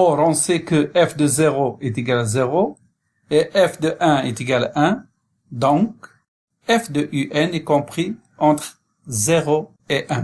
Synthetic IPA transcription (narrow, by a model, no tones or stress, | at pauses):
ɔʁɔ̃sɛkəɛfd̪əzeʁoɛt̪eɡalzeʁo | eʔɛfd̪əʔɛ̃ɛt̪eɡalɛ̃ | d̪ɔ̃k | ɛfd̪əʔyʔɛnɛkɔ̃pχi | ɑ̃t̪χ | zeʁo | eʔɛ̃